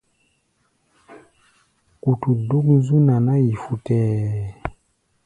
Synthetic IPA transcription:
ku˨tu˨du˦kn˦zu˦na˨na˦ji˨fu˨tɛː˦˨

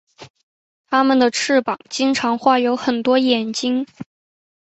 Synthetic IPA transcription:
t̪ʰa˥mə˨nd̪ə˩ʈ͡ʂʰɻ̩˥˩pɑ˨˩˦ŋt͡ɕi˥ŋʈ͡ʂʰɑ˧˥ŋxwa˥˩jo˧˥ʊxə˨˩nt̪wɔ˥jɛ˨˩nt͡ɕi˥ŋ

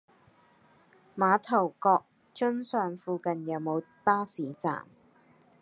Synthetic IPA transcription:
maː˨˧t̪ʰɐ˨˩wkɔː˧k̚ | t͡ʃɵ˥nsœː˨ŋfuː˧kɐ˨njɐ˨˧wmo˨˧w | paː˥siː˨˥t͡sa̰ː˨˩m

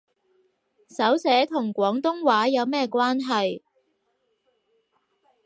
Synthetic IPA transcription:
sɐ˨˥wsɛː˨˥t̪ʰʊ˨˩ŋkʷɔː˨˥ŋt̪ʊ˥ŋwaː˨˥jɐ˨˧wmɛː˥kʷwaː˥nɦɐ˨j

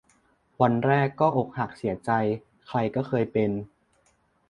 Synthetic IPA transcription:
wa˧nɾɛː˥˩kːɔː˥˩ʔo˨˩k̚ha˨˩k̚si˨˩˦ɐt͡ɕa˧j | kʰɾa˧jkɔː˥˩kʰɤː˧jpe˧n

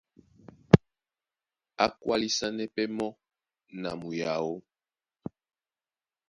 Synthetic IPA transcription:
a̰˦kwa˦li˦sa˦nɛ˦pɛ˦mɔ˦ | na̰˨mu˨ja˨wo˦

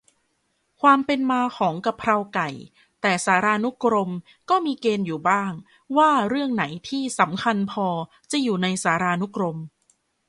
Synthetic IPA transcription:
kʰwaː˧mpe˧nmaː˧kʰɔː˩˦ŋka˧˩pʰːɾa˧wka˨˩j | t̪ɛː˨˩saː˩˦ɾaː˧nu˦˥kɾo˧m | kɔː˥˩miː˧keː˧njuː˨˩baː˥˩ŋ | waː˥˩ɾɯ˥˩əŋna˩˦jt̪ʰiː˥˩sa˩˦mkʰa˧npʰɔː˧ | t͡ɕa˨˩juː˨˩na˧jsaː˩˦ɾaː˧nu˦˥kɾo˧m

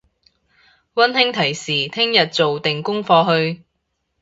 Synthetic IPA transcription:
wɐ˥nhɪ˥ŋt̪ʰɐ˨˩jsiː˨˩t̪ʰɪ˥ŋjɐ˨t̚t͡so˨wt̪ɪ˨ŋkʊ˥ŋfɔː˧ɦɵ˧ɥ

